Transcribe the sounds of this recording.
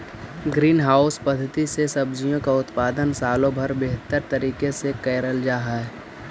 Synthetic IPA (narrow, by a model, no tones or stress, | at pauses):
ɡɾiːnɦaːʊspəd̪ʱːət̪isesɐbd͡ʒijõkaʊt̪paːd̪ənsaːlõbʱɐɾbeɦt̪əɾt̪ɐɾiːkesekɛːɾəld͡ʒaːɦaɦɛ